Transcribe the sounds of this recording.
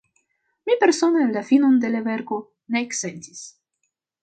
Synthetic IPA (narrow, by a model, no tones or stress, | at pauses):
mipe̞ɾso̞naenlafino̞nd̪elave̞ɾko̞ | neːksentis